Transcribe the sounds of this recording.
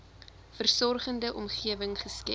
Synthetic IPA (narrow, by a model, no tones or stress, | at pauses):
fərsɔrχəndəʔɔmχiəvəŋχəskɛ̰